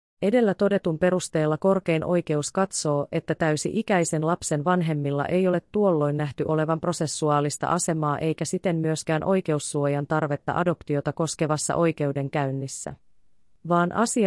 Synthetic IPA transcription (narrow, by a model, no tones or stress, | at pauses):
e̞de̞lːæt̪o̞de̞t̪umpe̞ɾust̪e̞ːlːɑko̞rke̞jnʔo̞jk̟e̞uskɑt̪so̞ːʔe̞t̪ːæt̪æysiʔikæjse̞nlɑpse̞nʋɑnɦe̞mːilːɑ̰ʔe̞jo̞le̞t̪ːuo̞lːo̞jnːæht̪yʔo̞le̞ʋɑmpro̞se̞sːuɑːlist̪ɑ̰ʔɑse̞mɑːʔe̞jkæsit̪e̞mːyø̞sk̟æːnʔo̞jke̞usːuo̞jɑnt̪ɑrʋe̞t̪ːɑ̰ʔɑdo̞pt̪io̞t̪ɑko̞ske̞ʋɑsːɑ̰ʔo̞jke̞ude̞ŋkæynːisːæ̰ | ʋɑːnʔɑ̰si